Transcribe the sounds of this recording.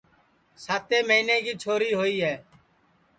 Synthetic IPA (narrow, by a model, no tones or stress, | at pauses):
saːt̪eːməɦiːneːkiːt͡ʃʰoːɾiːɦoːiːɦɛː